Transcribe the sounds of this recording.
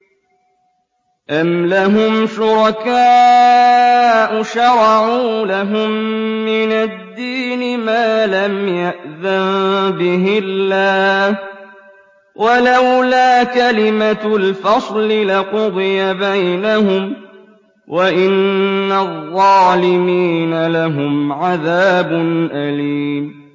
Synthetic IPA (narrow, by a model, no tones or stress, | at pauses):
ʔamlaɦʊmʃʊɾˤɑkaː | ʔʊʃɑɾˤɑʕuːlaɦʊmːɪnad̪ːiːnɪmaːlamjaʔðanbɪɦɪlːaːh | wʔalawlaːkalɪmalfɑsˤlɪlɪqʊd̪ˤɨjabajnahʊm | waʔɪnːaðˤːɑːlɪmiːnalaɦʊmʕaðaːbʊnʔaliːm